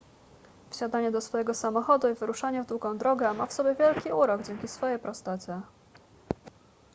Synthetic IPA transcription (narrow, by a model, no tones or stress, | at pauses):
fɕad̪aɲɛd̪ɔsfɔjɛɡɔsamɔxɔd̪uivɘɾuʂaɲɛvd̪wuɡɔ̃w̃d̪ɾɔɡɛmafsɔbʲjɛvʲjɛlkʲiuɾɔɡd͡ʑɛŋʲkʲisfɔjɛjpɾɔst̪at͡ɕɛ